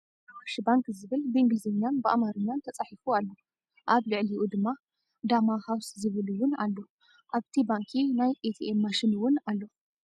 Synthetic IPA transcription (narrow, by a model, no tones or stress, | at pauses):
waʃbaŋkzɨβɨlbeŋɡɨzeɲːanbɨʔa̰maɾɨɲːant̪ʰɐt͡sʼaħifualːo | ʔaβlɨʕliʔud̪ɨmːa | d̪amahawszɨβɨluwʊnalːo | ʔaβt̪ʰibaŋkʰinajʔet̪ʰiemːaʃɪnwʊnalːo